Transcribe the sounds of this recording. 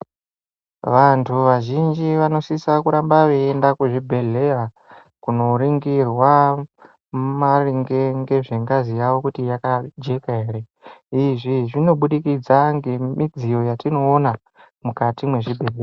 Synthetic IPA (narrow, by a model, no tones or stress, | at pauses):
ʋantʰuʋaʒind͡ʒiʋano̞sisakuɾambaʋeːndakuʐibʱe̞ɮe̞ja | kuno̞ɾiŋɡirwa | mariŋɡe̞ŋɡe̞ʐe̞ŋɡazijawo̞kutijakad͡ʒe̞kaɦeɾe̞ | iʐiʐino̞ɓuɗikid͡zaŋɡe̞mid͡zijo̞jatino̞ːna | mukatimwe̞ʐibʱe̞lea